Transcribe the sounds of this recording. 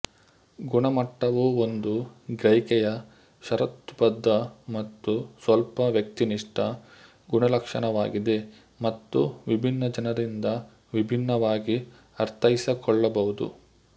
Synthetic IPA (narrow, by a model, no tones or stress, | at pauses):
ɡuɳɐmɐʈːɐʋuond̪uɡɾɐjkɛjɐ | ʃɐɾɐt̪ːupɐd̪ʱːɐmɐt̪ːusʋɐlpɐʋjɐk̚t̪iniʂʈɐ | ɡuɳɐlɐkʂɐɳɐʋaːɡid̪e̞ | mɐt̪ːṵʋibʱinːɐd͡ʒɐnɐɾind̪ɐ | ʋibʱinːɐʋaːɡi | ɐɾt̪ʰɐisɐkɔɭːɐbɐʋud̪ṵ